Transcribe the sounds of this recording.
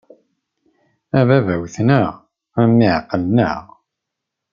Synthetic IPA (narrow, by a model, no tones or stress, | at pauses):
ævævæwθnəʁ | æmːiʕqːəlnə̰ʁ